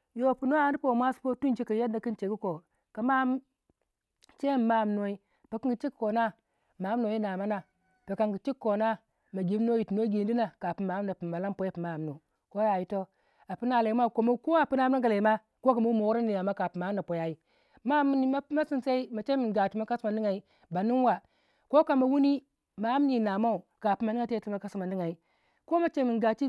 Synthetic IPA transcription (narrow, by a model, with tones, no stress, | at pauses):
jo˨pu˨no˦a˨˦i˦po˨mʷa˦su̥˦po˦tu˦nd͡ʒi˦ka˨ja˦da˨ki˦nt͡ʃe˨ɡu˦ko˨ | ka˨ma˦m˦ | t͡ʃe˦m˨ma˦˨m˦no˨˦i˦ | pe˨ki˦ŋɡi˨t͡ʃi˦kko˨na˦ | ma˨˦m˦no˨˦i˦na˨ma˦na˨ | pe˨ka˨ŋɡi˨t͡ʃi˦kko˨na˦ | ma˨ɡi˦m˦no˦ji˨tu˨no˦ɡi˨n˦di˦na˨ka˨pi˨ma˨˦m˦na˨pi˨ma˨la˦po˨˦ji˦pi˨ma˦˨m˨nu˨ | ko˦ja˨ji˦to˦ | a˨pi˦na˨le˨i˦m˦a˦˨ko˨mo˦ko˦a˨pi˦na˦a˦ɡa˨le˨˦ma˦ | ko˦ka˨ma˦wu˦mo˨wu˦ɾa˦ni˨a˨ma˦ka˨pi˨ma˨˦m˦na˨po˨ja˨ji˦ | ma˦m˦ni˦ma˦ma˦si˦nse˦i˦ma˨t͡ʃe˦mi˨nɡa˨t͡ʃi˦ma˦ka˦sma˨n˦i˦ŋa˨i˦ | ba˨ni˦n˦wa˨ | ko˦ka˨ma˨wu˦ni˦ | ma˨˦mni˦˨na˨ma˦u˨ka˨pi˦ma˨ni˦ŋa˦te˦˨tma˨ka˦si˦ma˨ndi˦ŋa˨i˦ | ko˦ma˨t͡ʃe˦mi˨nɡa˨t͡ʃi˦